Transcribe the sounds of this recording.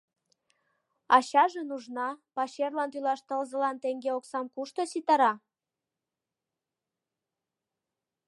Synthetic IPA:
ɑɕɑʒenuʒnɑpɑɕerlɑnt̪ylɑʃt̪əlzəlɑnt̪eŋɡeoksɑmkuʃt̪osit̪ɑɾɑ

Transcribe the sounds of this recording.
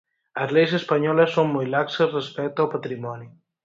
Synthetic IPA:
əzlejs̬espaɲɔləsːommojlaksəzrespɛk̚t̪alpat̪ɾimɔni

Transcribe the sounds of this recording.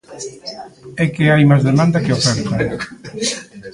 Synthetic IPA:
ɛkeajmazðemãnd̪akeofɛɾt̪a

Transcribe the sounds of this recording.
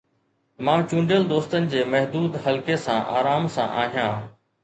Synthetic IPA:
mãːt͡ɕũːɳɖjəld̪oːst̪ənɪ̆d͡ʑeːmɐɦd̪uːd̪ɦəlkesã̰ːʔa̰ːɾaːmsã̰ːʔaːɦijãː

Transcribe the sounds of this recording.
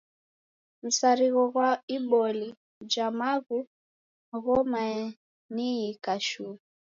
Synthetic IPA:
m̩saɾiɣɔɣwaiɓɔli | d͡ʒamaɣu | ɣɔmaɛ | niikaʃu

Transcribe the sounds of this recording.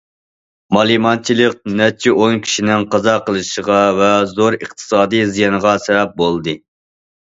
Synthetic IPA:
mɑlˠimɑnt͡ʃʰilˠɨq̚nɛt͡ʃʰiʔoŋkʲʰi̥ʃinɪŋqɑzɑqəlˠɨʃəʁɑvɛzoɾəχt̪ʰɨ̥sɑːd̪ɨjzijɑnəʁɑsɛvɛp̚bolˠd̪ɨ

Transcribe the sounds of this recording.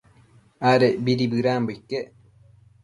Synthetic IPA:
aɾebiɾibɨɾambojke

